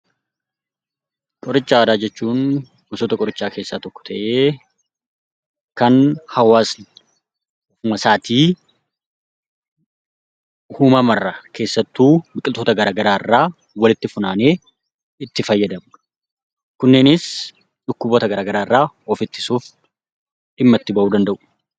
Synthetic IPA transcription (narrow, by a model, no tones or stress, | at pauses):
kʼɔɾɪt͡ʃːaːd̪aːd͡ʒɛt͡ʃːuːn | ɡʊsoːt̪ɐkʼɔɾɪt͡ʃːaːke̞ːsːaːt̪ɔkːɔ̥t̪ɐʔeː | kɐnhɐwaːsn | fʊmɐsaːt̪ʰiː | hʊmɐmɐrːɐkʰe̞ːsːɐt̪ːuːbɪkʼɪlt̪oːt̪ɐɡɐɾaːɡɐɾaːɪrːaː | wɐlɪt̪ːɪfʊnaːne̞ː | ɪt̪ːɪfɐjːɐd̪ɐm | kʊnːeːnɪs | ᶑʊkːʊbot̪ɐɡɐɾaːɡɐɾaːɪrːaː | ɔfɪt̪ːɪ̥suːf | ᶑɪmːɐt̪ːɪbɐʔuːd̪ɐnd̪ɐʔʊ̥